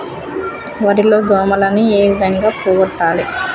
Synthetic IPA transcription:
ʋɐɾilo̞ːd̪ɔːmɐlɐnieːʋid̪ʱɐŋɡaːpuːɡɐʈːaːli

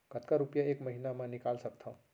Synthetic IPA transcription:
kət̪kaɾupjaekməɦinamãnikalsək̚t̪ʰə̃

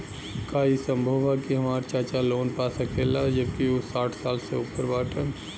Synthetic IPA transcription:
kaisə̃mbʱoːʋakiɦɐmaːɾt͡ʃaːt͡ʃaloːnpaːsakʰeːlad͡ʒəb̚kiosaːʈʰsaːlseʊpəɾbaːʈən

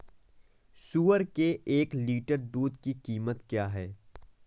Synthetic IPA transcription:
suːəɾkeʔeːkliːʈəɾd̪uːd̪kikiːmət̪kjaːɦɛː

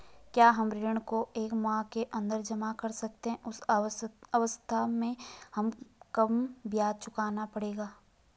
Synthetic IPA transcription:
kjaːɦɐmɾɪɾəɽ̃koʔeːkmãːkeʔɐ̃nd̪əɾd͡ʒɐmakɐɾsɐk̚t̪eɦɛ̃ʔʊs | ɐʋəst̪ʰamẽhɐmkɐmbjaːd̪̚t͡ʃʊkaːnapɐɽeːɡaː

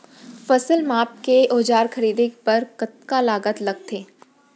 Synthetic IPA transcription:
fɐsəlmaːp̚keʔoːd͡ʒaːɾxɐɾiːd̪epɐɾkɐt̪̚kalaːɡət̪lɐɡ̚t̪ʰeː

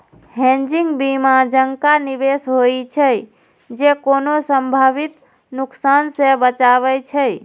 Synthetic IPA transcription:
ɦẽnd͡ʒiŋɡbimad͡ʒəŋkanibesɦoit͡ʃʰəj | d͡ʒekonosəmbʱabit̪ | nuksansebət͡ʃaβɛt͡ʃʰəj

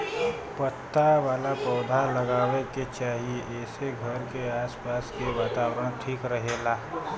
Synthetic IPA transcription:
pət̪ːaʋaːlapɔːd̪ʱaləɡaːʋeket͡ʃaːɦiʔɛːseɡʱəɾkeaːspaːskeʋaːt̪aːwəɾəɽ̃ʈʰiːkɾəɦeːlaː

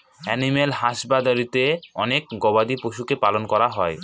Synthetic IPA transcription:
ɛnimelɦaʃbad̪aɾit̪eɔnek̚ɡɔbad̪ipoʃukepalonkɔɾaɦɔe

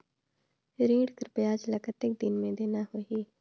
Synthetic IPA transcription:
ɾiːɽkəɾpːaːd͡ʒləkət̪ɪk̚d̪ɪnmẽːd̪eːnaːɦoːiː

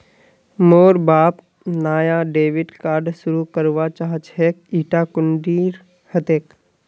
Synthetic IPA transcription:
moːɾbaːp | naːjaɖeːʋɪɖkaːɾɖsʊɾukəɾʋat͡ʃaːɦt͡ʃɦeːkiːʈakʊɳɖiːɾ | hət̪eːk

